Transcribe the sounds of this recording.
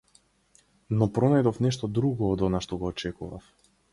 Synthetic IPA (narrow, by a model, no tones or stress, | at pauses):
nɔpɾɔnajd̪ɔfnɛʃt̪ɔd̪ɾuɡɔːd̪ɔnaʃt̪ɔɡɔːt͡ʃɛkuva̰f